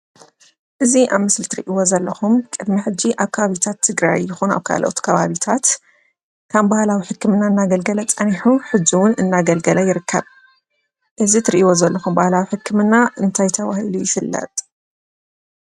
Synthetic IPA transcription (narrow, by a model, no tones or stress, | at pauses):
ʔɨziʔaβmɨslit̪ʰɨɾḭʔiwo̞zɐlːɐxumkʼɨd̪miħɨd͡ʒːiʔaβkʰɐβaβit̪ʰat̪ʰːɨɡɾa̰jːɪxuna̰βkʰa̰loʔot̪kʰɐβaβit̪ʰat̪ | kʰambahlawiħɨkʰːɨmɨnːaɨnːaɡɐlɡɐlɐt͡sʼɐniħuħɨd͡ʒːiwʊnɨnːaɡɐlɡɐlɐjɪɾɨkʰːɐβ | ʔɨzit̪ʰɨɾiʔiwo̞zɐlːɐxumbahlawiħɨkːɨmɨnːaʔɨnt̪ʰajt̪ʰɐwahilujɪfɨlːɐ̰t̪ʼ